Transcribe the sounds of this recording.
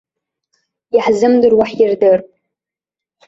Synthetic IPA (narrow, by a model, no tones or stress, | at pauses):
jaħzɨmdɨrwaħjɪrdɨrpʼ